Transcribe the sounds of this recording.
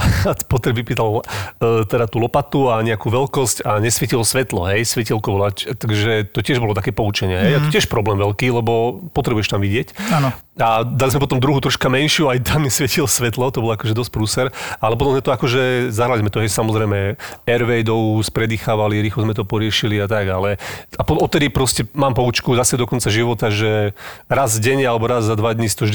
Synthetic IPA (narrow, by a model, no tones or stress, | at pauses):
apɔt̪ɾɛʋipiːt̪alː | t̪ɛd̪at̪ulɔpat̪uaɲɛakuːʋɛlkɔscaɲɛsʋɛcilɔsʋɛt̪lɔ̰ɦɛjsʋɛcilkɔʋɔlat͡ʃt̪aɡʒɛt̪ɔcɪɛʒbɔlɔt̪akɛːpɔut͡ʃɛɲɪɛɦɛjaɔtɪɛʃpɾɔblɛːmʋɛlkiːlɛbɔpɔt̪ɾɛbuʊjɛʃt̪amʋiɟɪɛcanɔ | ad̪alizmɛpɔt̪ɔmd̪ɾuɦut̪ɾɔʃkamɛnʃɪuajt̪amɲɛsʋɛcilɔsʋɛt̪lɔt̪ɔbɔlɔakɔʒɛd̪ɔsc̚pɾuːsɛɾalɛpɔd̪ɔzɲɛt̪ɔakɔʒɛzaɦɾalizmɛt̪ɔɦɛjsamɔzɾɛjmɛɛɾʋɛjd̪ɔuspɾɛd̪iːxaːʋaliɾiːxlɔzmɛt̪ɔpɔɾɪɛʃiliat̪aɡalɛapɔɔt̪ɛd̪ipɾɔscɛmaːmpɔut͡ʃkuzasɛd̪ɔkɔnt͡saʒiʋɔt̪aʒɛɾazɟɛɲalɛbɔɾazzad̪ʋad̪ɲisi̥t̪ɔʒd̪